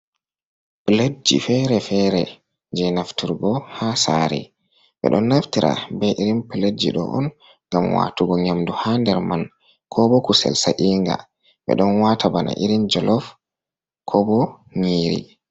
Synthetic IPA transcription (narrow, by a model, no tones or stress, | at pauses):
pled͡ʒḭfɛɾɛfɛɾɛ | d͡ʒɛnaftuɾɡɔhasaɾḭ | bɛ̰ɗɔnːaftiɾʔa̰bɛʔiɾinpiled͡ʒḭɗɔ̰ʔɔ̰n | ŋɡamwa̰tuɡɔɲamduhandɛɾman | kʰɔbɔkusɛ̰lsaʔiŋɡa̰ | bɛ̰ɗɔnwatabana̰ʔiɾind͡ʒɛlɔf | kʰɔbɔ | ŋiːɾḭ